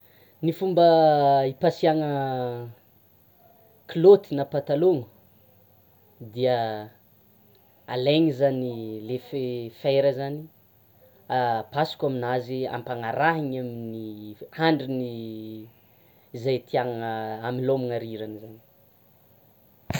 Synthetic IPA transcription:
nifumbəipasiaŋə | kilot̪inapat̪aloŋu | d̪iə | aleŋizanilefefejɾəzani | apasi̥kaminazia̰mpaŋaɾaɦiɲaminiaɳɖ͡ʐini | zajt̪ʰiaŋəamilomiŋaɾiɾanzani̥

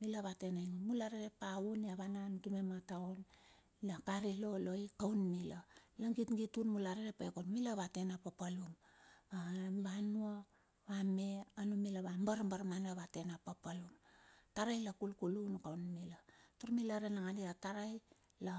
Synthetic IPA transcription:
milaβate̞najŋunmulaɾeɾe̞pauniaβananɡimemataon | lakaɾilo̞lo̞ikawnmilalaŋɡitŋɡitunmulaɾeɾepaekonmilaβate̞napapalumabanua | βame̞anumilaβambaɾmbaɾmanaβate̞napapaluntaɾajlakulkulunkawnmilatoɾmilaɾenaŋaniataɾaj | la

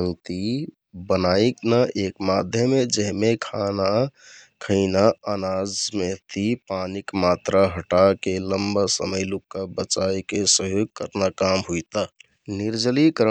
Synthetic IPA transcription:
ənt̪i | bənaiknaʔekmad̪ʱjəmed͡ʒəɦmekʰanakʰəɪnaənad͡ʒmet̪ipanikmat̪ɾaɦəʈakeləmbasə̰məjlukːabət͡ʃajkesəɦjoɡ̚kə̰ɾnakamɦujt̪a | niɾd͡ʒəlikəɾ

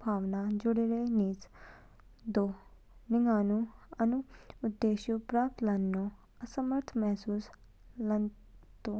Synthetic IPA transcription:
bʱaːʋnad͡ʒʊɽeɾeniːt͡s | d̪o | nɪŋɡaːnuɐnuːd̪ːeːʃjupɾaːp̚t̪lɐnːo | ɐsɐməɾt̪ʰmɛɦsuːs | lɐn | t̪o

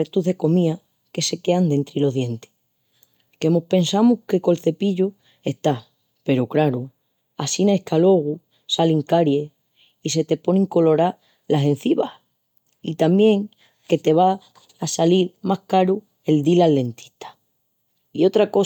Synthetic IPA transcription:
et̪uðe̞ko̞mĩa | ke̞se̞ke̞and̪e̞nt̪ɾilo̞ɦðje̞nt̪e̥ | ke̞mo̞hpe̞nsamuhke̞ko̞lθe̞piʎu | e̞ht̪a | pe̞ɾokɾaɾu | asinaehkʰalo̞ɣ̞u | saliŋkaɾje̞ | ise̞t̪e̞po̞nĩŋko̞lo̞ɾa | lase̞n̟θiβa | it̪ambje̞ŋ | ke̞t̪e̞β̞aː | saliɾmahkaɾu | e̞ld̪ilalːe̞nt̪i̥ht̪ʰḁ | io̞t̪ɾako̞

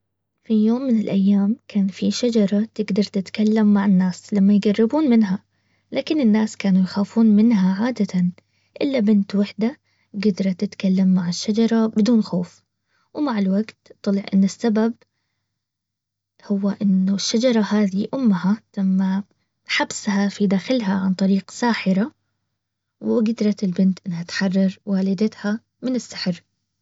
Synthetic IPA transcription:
fijoːmːɪnɪlʔajːaːmkʰaːnfiʃad͡ʒɑɾˤɑt̪ɪɡd̪ɑɾˤt̪ɪt̪kalːamːaʕɪnːaːslamːajɡarːɪbuːnmɪnɦa | laːkɪnɪnːaːskaːnujxaːfuːnmɪnɦaʕaːd̪at̪an | ʔɪ̰lːabɪnt̪wɪħd̪a | ɡad̪ɾˤɑt̪ɪt̪kalːamːaʕɪʃːad͡ʒɑɾˤɑbɪd̪uːnxoːf | wɪmaʕɪlwaɡt̪t̪ːˤɑlɪʕʔɪ̰nːɪsːabab̚ | hʊwːaʔɪnːʊʃːad͡ʒɑɾˤɑhaːd̪iʔʊmːhalamːa | ħabshafid̪aːxɪlɦaʕant̪ˤɑɾiːqsaːħɪɾa | wɪɡɪd̪ɾˤɑt̪ɪlbɪnt̪ʔɪnːhat̪ħɑrˤːɑɾˤwaːlɪd̪at̪ha | mɪnɪsːɪ̥ħɾ

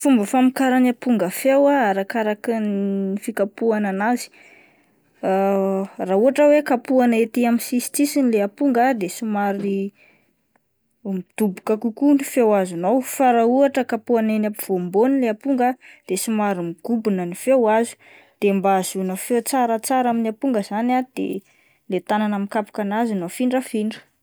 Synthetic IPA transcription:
fumbəfamikaɾanapuŋɡəfewaaɾakaɾakinifikapuananazi̥ | rauɦaʈ͡ʂəwekapuanet̪iaminsisi̥t͡sisinileapuŋɡad̪esimaɾi | md̪̥ubukəkukunifewazunowfaɾauɦaʈ͡ʂəkapuanenapiv̥ombonileapuŋɡəd̪̥esimaɾimiɡ̥ubunənifewazu̥ | d̪̥embaz̥unəfet͡saɾət͡saɾaminapuŋɡəz̥anad̪̥ḛ | let̪ananəmikapu̥kanazunofiɳɖ͡ʐəfiɳɖ͡ʐə̥

